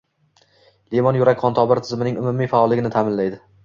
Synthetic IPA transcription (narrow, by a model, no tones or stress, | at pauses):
lemɒnjʊɾakʲqʰɒnt̪ʰɒbɪɾt̪ʰɪzmɪnɪŋʊmumijfaɒlːɪɡʲɪnɪt̪ʰamɪnlajd̪ɪ